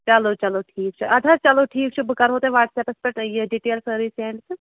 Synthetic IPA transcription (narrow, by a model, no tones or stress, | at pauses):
t͡ʃɐloːt͡ʃɐloːʈʰiːkt͡ʃʰuʔɐd̪ʱɐt͡ʃɐloːʈʰiːkt͡ʃʰubʱkɐɾɦoːt̪eʋaːʈseːpɐspɐʈjeɖiʈeːlsəːɾiːsẽːɳɖs